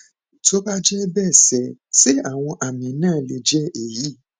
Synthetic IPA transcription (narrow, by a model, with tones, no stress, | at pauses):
to˦ba˦d͡ʒɛ˦bɛ˦˨sɛ˨˦se˦a˦˨w̃ɔ̃˧ʔa˨mĩ˨˦nãː˦˨˦le˧d͡ʒɛ˦e˨ji˨˦